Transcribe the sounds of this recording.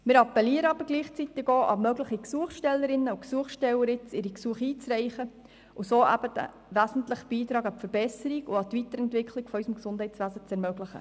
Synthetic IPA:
mɪːɾɑpːɛliəɾəɑbəɾɡliːχt͡sit̪ɪɡoːʔɑmœɡləχiksuəχʃtɛlːəɾɪnːəuksuəχsʃtɛwəɾɪt͡sɪɾiksuəχiːt͡srɛɪχə | usoːʔæ̰b̥əd̥æ̰ | ʋæsn̩tləχb̥iːt̪ɾɑːɡɑpfəɾbɛsəɾiɡʊɑt̪ʋit̪əɾɛntʋɪkʰliɡ̥fɔœʏsəmksʊnd̥hɛɪsʋæzət͡sɛɾmøɡləχə̰

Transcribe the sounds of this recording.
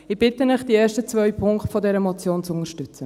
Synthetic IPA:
ɪb̥ɪtənəχd̥ieːɾʃtət͡svœʏɥpʰʊŋktfɔdɛɾəmɔt͡sjoːnt͡sʊŋəʃtʉt͡sə

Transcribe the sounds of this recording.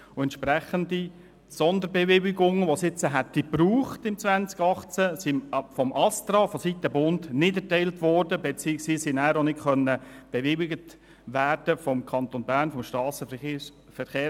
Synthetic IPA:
ʊɛntʃpɾɛχəndi | sɔnd̪əɾbɛvɪwɪɡʊŋəʋosɪt͡səɦɛtːipruːχtɪmt͡sʋænt͡sɡ̥ɑχt͡səsifɔmʔɑst̪ɾɑːfɔsit̪ːəbʊndnɪdɛɾtɛɪltʋɔɾdəbɛt͡siːəksʋiːsinæːɾonɪtχœnːəb̥ɛʋɪwɪɡət | ʋæːɾd̥əfɔmkʰɑnt̪onbæːɾnfɔmʃtɾɑːsə | fəχeː

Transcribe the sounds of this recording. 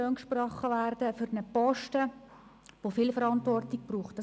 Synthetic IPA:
øːnkʃprɔχəʋærd̥əfyɾnəpɔʃtə | ʋofilfəɾɑntʋɔrtɪɡ̚b̥ruːχtd̥ɑ

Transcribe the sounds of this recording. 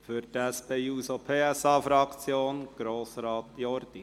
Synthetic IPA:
fyɾtæspeːuːsopʰeːɛsɑːfɾɑkt͡sjoːnɡ̥ɾoːsɾɑːt̪jɔɾd̪̥i

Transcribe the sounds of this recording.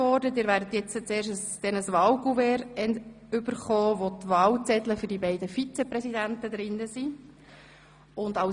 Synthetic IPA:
ɔrdədɪːɾʋæːɾdət̪jɛt͡sət͡seːɾʃəsd̥ɛnəsʋɑːwɡuvɛɾɛn | ʏbəɾχɔːʋot̪ʋɑːwt͡sɛt̪ləfʏɾdibɛɪdəfit͡sɛpɾɛsidæntəd̪ɾɪnːəsi | ʊndɑʊ

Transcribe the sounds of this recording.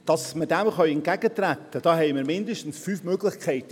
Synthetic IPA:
d̥ɑsmədɛmχœjɛnt̚ɡ̥æɡ̥ətrɛtːəd̥ɑːhɛɪməɾmɪndəʃtn̩sfyːfmøːɡlɪçkʰɛɪtə

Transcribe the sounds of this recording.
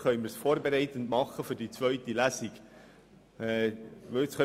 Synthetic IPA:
χœʏməɾsfoːɾbɛɾɛɪt̪əndmɑχːəfʏd̥it͡svœʏt̪ilæsiɡ | ɛʋɵɪt͡sχœ

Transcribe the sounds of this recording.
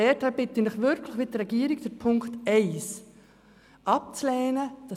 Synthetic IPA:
ɛthɛb̥ɪtinɪχʋʏɾkʰləχʋɪtrɾɛɡiːəɾikd̥əɾpʰʊŋkχtɛɪs | ʔɑp̚t͡slɛːnəd̥ɑ

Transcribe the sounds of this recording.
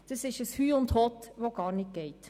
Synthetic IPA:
d̥əsɪʃəshyːʊnt̪hɔt̪ʋoɡɑːɾnɪk̚ɡ̥ɛɪt̪

